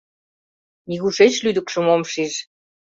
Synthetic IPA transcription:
mʲiɣuʃet͡ɕlyd̪ɘ̆kʃə̆momʃiʒ

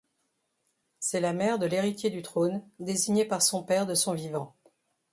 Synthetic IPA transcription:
sɛlamɛʁd̪əleʁit̪ʲjed̪yt̪χond̪eziɲepaʁsɔ̃pɛʁd̪əsɔ̃vivɑ̃

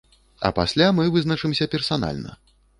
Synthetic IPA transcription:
ɐ̰pasʲlʲamɨvɨznɐt͡ʂɨmsʲɐpʲɛrsana̰lʲnɐ̰

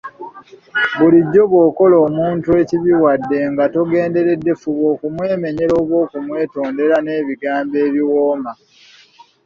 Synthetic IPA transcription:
βuliɟːo̞βwo̞ːko̞loːmuːntue̞ciβiwadːe̞ŋɡatoɡe̞ːnde̞ɾe̞dːe̞fuβoːkumwe̞ːme̞ɲe̞ɾo̞ːβwo̞ːkumwe̞ːto̞ːnde̞ɾane̞ːβiɡaːmbe̞ːβiwoːma

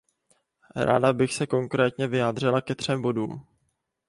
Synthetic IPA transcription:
ɾa̰ːdabɪxsɛko̞ŋkɾɛːt̪ɲɛvɪjaːd̪r̝ɪlakɛt̪r̝̥ɛmbo̞duːm

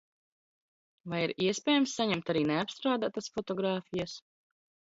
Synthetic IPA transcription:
vajiɾiɛspʲɛːjamsːaɲɛmt̪aɾiːneapst̪ɾaːd̪at̪asfɔt̪ɔɡɾaːfijas

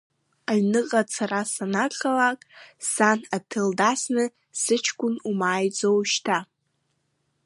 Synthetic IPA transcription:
aɥnɨqʼat͡sʰarasanaqalakʼsanatʰɨldasnɨ | sɨt͡ʃʰkʷʼʊnumaːjd͡zowʃtʰa

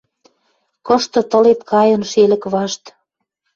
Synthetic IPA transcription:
kɤ̆ʃt̪ɤ̆t̪ɤ̆let̪kʰɑjɤ̆nʃelə̆kβɑʃt̪

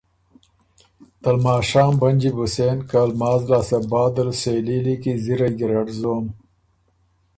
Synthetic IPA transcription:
t̪ɐlmaːʃaːmbɐnd͡ʒibuseːnkalmɑːzlaːsɐbɑːd̪ɐlseːlilikiziɾaɡiɾaɖzoːm

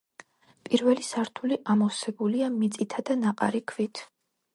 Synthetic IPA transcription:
pʼiɾvɛlisaɾt̪ʰuliʔamɔsɛbuliamit̪sʼit̪ʰad̪anaqʼa̰ɾikʰvit̪ʰ

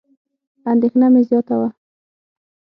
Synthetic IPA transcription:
and̪exnamezjɑt̪awa

